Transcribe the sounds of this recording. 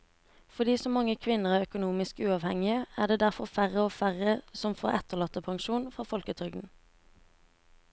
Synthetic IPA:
fɔʁd̪iːsɔmːɑŋəkʰʋɪnəʁæːʁœkʊnuːmɪskʉːɑːʋhɛ̰ŋɪəæːʁd̪eːd̪æʁfɔʁfæʁəoːfæʁəsɔmfo̰ːʁɛt̪əʁlɑt̪əpʰɑŋʃuːnfʁɑfɔlkət̪ʰʁʏɡd̪n̩

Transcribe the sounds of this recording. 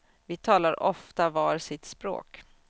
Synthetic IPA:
vɪt̪ʰɑːlaɾʔɔft̪avɑːɾsɪt̪spɾo̰ːk

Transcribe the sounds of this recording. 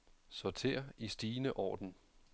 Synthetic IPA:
sɒt͡sʰe̝̰ːɐisd̥iːnəʔɒ̰ːd̥n̩

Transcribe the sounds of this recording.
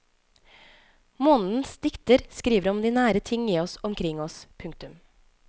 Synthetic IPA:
moːnn̩sd̪ɪkt̪əɾskɾiːʋəɾɔmd̪iːnæːɾət̪ʰɪŋiːɔsɔmkʰɾɪŋɔspʰʉŋk̚t̪ʉm

